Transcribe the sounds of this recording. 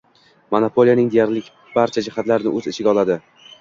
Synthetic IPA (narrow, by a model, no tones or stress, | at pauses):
monapʰolˠijanɪŋd̪ejaɾlɪkʲ | b̥aɾt͡ʃʰad͡ʒɪhat̪laɾɪnɪʔɵzɪt͡ʃʰɪɡʲaɒlˠad̪ɪ